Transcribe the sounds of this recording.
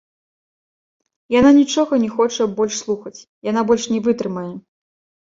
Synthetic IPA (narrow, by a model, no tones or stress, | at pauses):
jananʲit͡ʂɔɣɐnʲɛxɔt͡ʂɐbɔlʲʂslˠuxɐt͡sʲ | janabɔlʲʂnʲɛvɨt̪ɾɨmɐjɛ